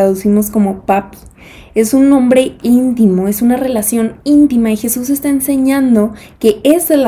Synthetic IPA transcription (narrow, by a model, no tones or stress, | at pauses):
aðusimo̞sko̞mo̞papi̥ | e̞sunːõ̞mbɾe̞int̪imo̞e̞sunare̞lasjo̞nint̪imaixe̞sus̬e̞st̪ae̞nse̞ɲãnd̪o̞ke̞esel